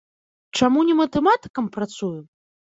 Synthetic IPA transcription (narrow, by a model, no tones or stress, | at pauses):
t͡ʂamunʲɛmɐt̪ɛmat̪ɨ̥kɐmpɾat̪suju